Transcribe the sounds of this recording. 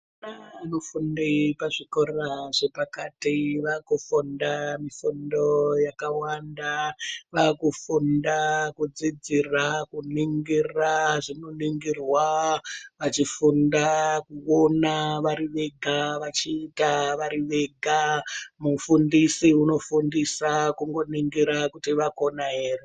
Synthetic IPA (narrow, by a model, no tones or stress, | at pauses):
naanofundipaʐikoraʐe̞pakatiʋakufundamifundo̞jakawandaʋakufundakud͡zid͡zirakuniŋɡiraʐinoniŋɡirwa | ʋat͡ʃifundakuonaʋaɾiʋe̞ɡʱaʋat͡ʃiːtaʋaɾiʋe̞ɡʱamufundisiuno̞fundisakuŋɡo̞niŋɡiɾakutiʋako̞naɦe̞ːre